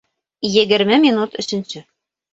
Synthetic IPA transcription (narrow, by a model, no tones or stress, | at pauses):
jɘ̆ɡɘ̆ɾmɘmʲinut̪ɵ̆ɕɵ̆nsɵ